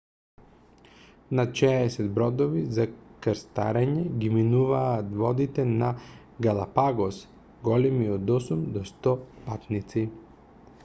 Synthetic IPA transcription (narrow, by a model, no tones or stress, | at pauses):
nat̪ʃɛːsɛd̪bɾɔd̪ɔvizakəɾst̪a̰ɾɛɲɛɡiminuvaːt̪vɔd̪it̪ɛna | ɡalˠapaɡɔs | ɡɔlimiod̪ɔsumd̪ɔst̪ɔpat̪nit̪si